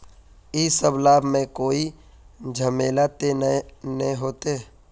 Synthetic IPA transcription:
iːsəblaːbmẽkoːi | d͡ʒʱəmeːlat̪ennɦoːt̪e

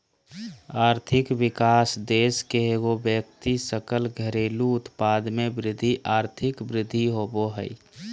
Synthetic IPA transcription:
aːɾt̪ʰɪkwɪkaːsd̪eːskeɦeɡobjək̚t̪isəkəlɡʱəɾeːluʊt̪paːd̪mebɾɪd̪ʱːiʔaːɾt̪ʰɪkbɾɪd̪ʱːiɦoboɦəi

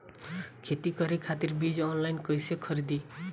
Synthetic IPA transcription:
kʰet̪ikʌɾekʰat̪iɾbid͡ʒɔnlajnkʌjsekʰʌɾid̪i

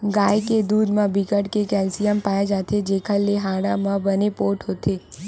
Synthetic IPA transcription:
ɡaːjked̪uːd̪mãbɪkəɽkekɛːlsijəmpaːed͡ʒaːt̪ʰed͡ʒeːkʰaleɦaːɽamãbənepoːɾʈɦoːt̪ʰeː

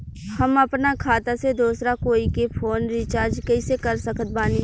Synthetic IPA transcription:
hɐmɐpnakʰaːt̪ased̪oːsɾakoːikepʰoːnɾit͡ʃaːɾd͡ʒkɐɪsekɐɾsəkət̪̚baːni

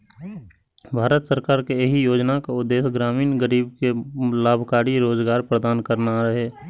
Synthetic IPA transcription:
bʱaːɾət̪səɾkaːɾkejəɦijoːd͡ʒnakaʊd̪ːeːsɡɾaːmiːnɡəɾiːbkelaːbʱkaːɾiɾoːd͡ʒɡaːɾpɾəd̪aːnkəɾnaɾəɦeː

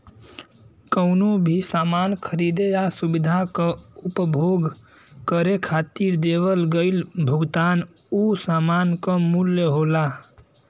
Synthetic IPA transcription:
kəʊnobʱisaːmaːnkʰəɾid̪ejasubid̪ʱakəʊpbʱoɡ | kəɾekʰaːt̪iɾd̪ewəlɡəɪlbʱəɡt̪an | usaːmankamuljəɦola

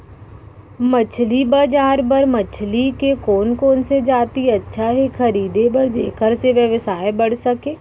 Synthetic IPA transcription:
mət͡ʃʰlibaːd͡ʒaːɾbəɾmət͡ʃʰlikekoːnkoːnsed͡ʒaːt̪iɐtːʃʰaɦekʰɐɾiːd̪ebəɾd͡ʒḛːkəɾseʋjəʋəsaːebɐɽ̤sɐkẽː

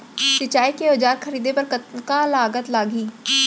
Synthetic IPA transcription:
sɪt͡ʃaːikeod͡ʒaːɾkʰəɾiːd̪epəɾkət̪kalaːɡət̪laːɡiː

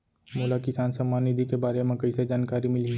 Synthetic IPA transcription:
moːlakɪsaːnsɐmːaːnːɪd̪ʱikebaːɾemẽkɐised͡ʒaːnkaːɾimɪli

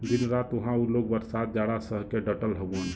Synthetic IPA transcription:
d̪inɾat̪uɦãulok̚bəɾsat̪̚d͡ʒaɽasəɦkeɖəʈəlɦəbən

